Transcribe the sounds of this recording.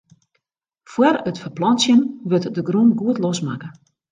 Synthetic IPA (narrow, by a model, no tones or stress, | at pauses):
fwərətfərplɔnsjənʋøtdəɡrunɡuətlosma̰kə